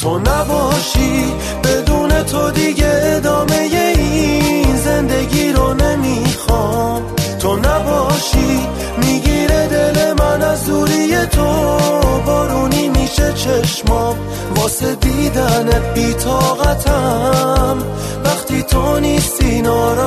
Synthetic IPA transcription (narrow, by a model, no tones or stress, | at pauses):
t̪ʰonæbɒʃi | be̞d̪uːne̞t̪ʰod̪iɟeːd̪ɒːme̞jeinze̞nd̪e̞ɡiːɾone̞mixɔː | t̪ʰonæbɒːʃi | miɟiːɾed̪elemænæzuːɾijet̪ʰobɒːɾuːniːmiːʃet͡ʃʰeʃmɒː | bɔːsed̪id̪ænebiːt̪ʰɔːɣæt̪ʰæ | m | væχt̪ʰiːt̪ʰoniːst̪inɔːɾ